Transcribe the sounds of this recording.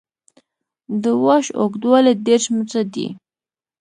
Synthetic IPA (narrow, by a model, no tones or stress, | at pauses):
d̪əwɑʃo̰kd̪wɑled̪eɾʃmət͡sad̪ḭ